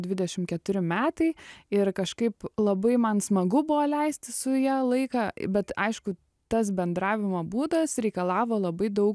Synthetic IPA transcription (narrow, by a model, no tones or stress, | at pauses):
d̪ʲʋʲɪd̪ʲɛʃʲɪmkʲɛt̪ʊɾʲɪmʲæːt̪ɐɪɪɾkɐʃkɐɪplˠɐbɐɪmɐnsmɐɡʊbʊʋoːlʲɛɪsʲt̪ʲɪsʊjɛlˠɐɪkɑːbʲɛt̪ɐ̰ɪʃkʊ | t̪ɐs̬bʲɛnd̪ɾɑːʋʲɪmɐːbuːd̪ɐsɾʲɛɪkɐlˠɑːʋoːlˠɐbɐɪd̪ɐʊk